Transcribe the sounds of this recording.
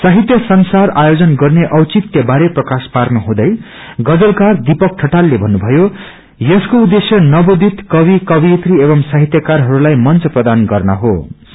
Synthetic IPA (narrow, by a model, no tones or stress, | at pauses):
saɦit̪jʌsʌnsarajod͡zʌnɡʌrneʔʌwt͡sit̪jʌbaɾeprʌkasparnuɦũd̪ʌj | ɡʌd͡zʌlkard̪ipʌk̚ʈʰʌʈalːebʱʌnːubʱʌjo | jʌskoud̪ːesjʌnʌbod̪ʱit̪kʌβikʌbiet̪riebʌmsaɦit̪jʌkarɦʌɾulajmʌnt͡sʌprʌd̪anɡʌrnʌ̰ɦo̰